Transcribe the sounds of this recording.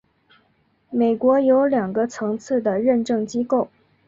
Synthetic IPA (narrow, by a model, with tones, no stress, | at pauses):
me˨˩ɪkwɔ˧˥jo˧˥ʊljɑ˨˩ŋɡə˦t͡sʰɤ˧˥ŋt͡sʰɹ̩˥˩d̪ə˩ɻə˥˧nʈ͡ʂɤ˥˩ŋt͡ɕi˥ko˥˩ʊ